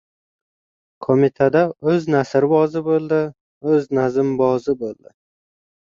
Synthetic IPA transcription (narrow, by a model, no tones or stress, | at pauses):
kʰomit̪ʰad̪aɵznasɪɾbɒzɪbolˠd̪ɪ | ɵznazɪmbɒzɪbolˠd̪ɪ̰